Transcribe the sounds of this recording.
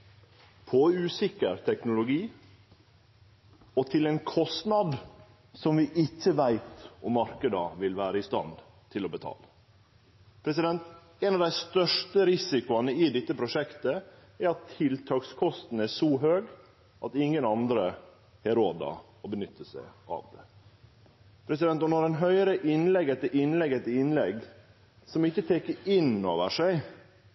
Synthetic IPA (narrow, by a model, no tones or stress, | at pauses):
pʰɔʉːsɪkːəɾt̪ʰɛknʊlʊɡiː | ɔt̪ʰɪlɛnkʰɔst̪nɑd̪ | sɔmʋɪʔɪçːəʋæɪt̪ɔmːɑɾkəd̪əʋɪlʋæːɾəɪst̪ɑ̰n | t̪ʰɪlɔbət̪ʰɑ̰ːlə | pʰɾɛs̬ɪd̪ɛnt̪ | ɛnɑʋd̪æɪst̪œʂʈəɾɪsɪkʊɑnəɪd̪ɛt̪ːəpʰɾʊʂɛkt̪ə | ɛɾɑt̪ʰːɪlt̪ʰɑːkskʰɔst̪n̩æʂɔɦøːɡ | ʔɑt̪ɪŋːənɑnd̪ɾə | hɛɾoːd̪ɑ̰ | ɔbənʏt̪ʰːəsæ̰ɪʔɑ̰ʋd̪ɛ | pʰɾɛsɪd̪ɛnt̪ɔnɔɾɛnɦœʏɾəʔɪnlɛɡɛt̪ːəɾʔɪnlɛɡɛt̪ːəɪnlɛɡ | sɔmɪçːət̪ʰekəɪnoːʋəʂæɪ